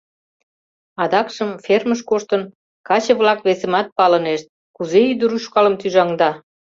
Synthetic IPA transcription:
ɑd̪ɑkʃəmferməʃkoʃt̪ən | kɑt͡ɕə̆βlɑkβesemɑt̪̚pɑləneʃt̪̚ | kuzeyd̪əɾuʃkɑləmt̪yʒɑŋd̪ɑ

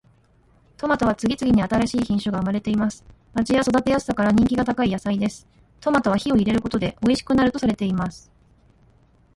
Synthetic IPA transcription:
t̪o̞mat̪o̞β̞at͡sɨɡʲit͡sɨɡʲiɲ̟iat̪aɾaɕiːçĩɰ̃ɕoɡaɯ̟maɾe̞t̪e̞imasɨ̥ | mad͡ʑijaso̞d̪at̪e̞jasɨ̥ːakaɾaɲ̟ĩŋkʲiɡat̪akaijasaid̪e̞sɨ̥ | t̪o̞mat̪o̞β̞açio̞iɾe̞ɾɯ̟ko̞t̪o̞d̪e̞ʔo̞iɕi̥kɯ̟naɾɯ̟t̪o̞saɾe̞t̪e̞imasɨ̥

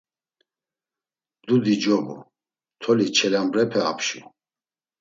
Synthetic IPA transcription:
d̪ud̪id͡ʒɔbṵ | t̪ʰɔlit͡ʃʰɛlambɾɛpʰɛa̰pʰʃṵ

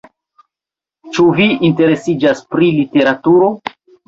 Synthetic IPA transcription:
t͡ʃuviːnte̞ɾe̞sid͡ʒaspɾilite̞ɾatuɾo̞

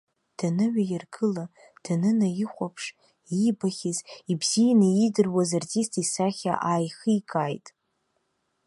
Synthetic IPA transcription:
d̥anɨɥᶣajɪrɡɨla | d̥anɨnajiχʷapʰʂ | ibaχʲɪzibzijanaidɨrwazarzistʰisaχʲa̰ʔaːjχɨikʰʼajtʼ

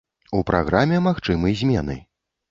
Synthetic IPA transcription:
upɾʔa̰ɣɾamʲɛmaxt͡ʂɨmɨjzʲmʲɛnɨ̰

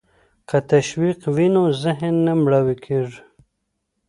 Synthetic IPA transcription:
kat̪aʃwiqwinozɪɦnːamɽawikʰiɾ

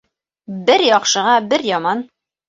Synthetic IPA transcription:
bɘɾjɒqʃɤ̆ʁɑbɘɾjɒmɑn

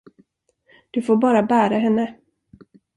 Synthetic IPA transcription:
d̪̥ɵfoːɾbɑːɾabæːɾaɦɛnːə

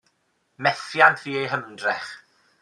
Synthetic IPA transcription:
mɛθjandviːejɦəmdrɛχ

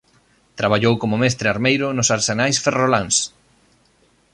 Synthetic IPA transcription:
t̪ɾaβaʎowkomʊmɛst̪ɾɪaɾmejɾʊnʊsaɾsenajsferolans

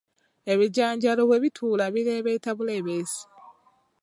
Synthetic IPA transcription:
e̞βiɟaːɲɟaloβwe̞ːβitʰuːlaβiɾeːβeitaβule̞ːβeːsi̥

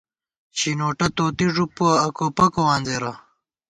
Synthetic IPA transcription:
t͡ɕinoːʈɐt̪oːt̪iʐupːoɐkopɐkowaːnzeːɾɐ

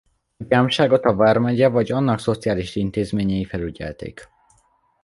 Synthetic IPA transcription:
paːmʃaːɡo̞t̪ɒvaːrmɛɟɛvɒɟɒnːɒkso̞t̪sijaːliʃint̪eːzmeːɲɛjifɛlyɟɛ̰lt̪ḛːk

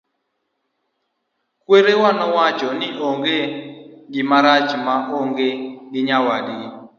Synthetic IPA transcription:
kweɾewanɔwat͡ʃɔnɪʔoŋɡeɡɪmaɾat͡ʃmaʔoŋɡeɡɪɲawadi

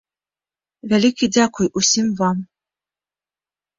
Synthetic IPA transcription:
vʲælʲikʲidʲakʊjʔusʲimvɑm

